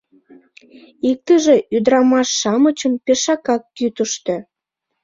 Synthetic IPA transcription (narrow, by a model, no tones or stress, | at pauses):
ik̚t̪əʒe̽ʔyd̪ɾɑmɑʃːɑmət͡ɕəmpeʃɑkɑkːyt̪əʃt̪ø